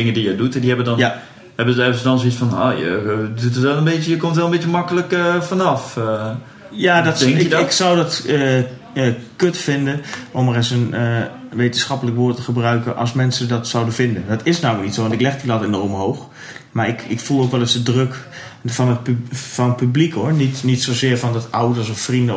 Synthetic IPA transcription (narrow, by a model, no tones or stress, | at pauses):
d̥ɪŋədijədutdihɛbədɔnja | hɛbəzɛsədɔnsitfɔno̰ːjə̰dutətʋɛlˠənbeːtjəjəkomtʋɛlˠənmbetjəmɑkələkəfɔnɑf | jaːdɔtɛjəɪksɔwdɔtə | əkøtfɪndənʔomərɛsənəʋejtənsxɑpələkʋoːtəχəbrœɥkənʔɑ̰lˠsmɛnsədɔtsawdəfɪndəndɔtʰɪsnawməknitsowʋɔntɪklɛxdilɔtenɔrmɦowx | maɹɪkɪkfulˠoːkʋɛlˠɪsdədrøk | fɔnət̚pfɔnəpyblikhoənitnitsozɪːɹfɔndɔtʔawdərsɔffrində